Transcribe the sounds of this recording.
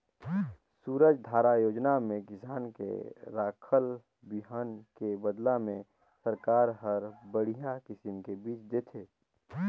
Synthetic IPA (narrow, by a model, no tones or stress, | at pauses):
suːɾəd͡ʒd̪ʱaːɾajoːd͡ʒnamẽkɪsaːnkḛɾaːkʰəl | biɦənkebəd̪lamẽ | səɾkaːɾɦəɾbəɽ̤ijakɪsɪmkebiːt͡ʃd̪et̪ʰeː